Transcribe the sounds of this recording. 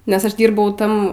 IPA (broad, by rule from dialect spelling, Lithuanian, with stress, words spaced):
nʲɛs ˈɐʃ ˈdʲiːrbɐʊ ˈtɐm